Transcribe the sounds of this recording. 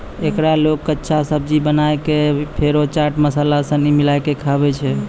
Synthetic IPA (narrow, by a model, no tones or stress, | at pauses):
ekɾalokːətːʃʰasəb̚d͡ʒibənajkepʰeɾot͡ʃaɾʈməsalasənimilajkekʰabɛt͡ʃʰɛ